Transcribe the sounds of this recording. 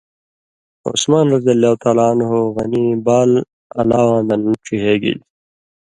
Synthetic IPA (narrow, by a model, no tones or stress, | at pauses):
o̰smaːnɾʌzijɐlːaːut̪aːlaːnɦoɣɐnibaːl | ɐlaːwãːd̪ɐnʈ͡ʂʰiɦeːɡḭl